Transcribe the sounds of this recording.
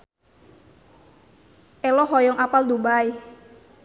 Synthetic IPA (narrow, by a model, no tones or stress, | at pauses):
ʔɛlɔɦɔjɔŋapald̪ubai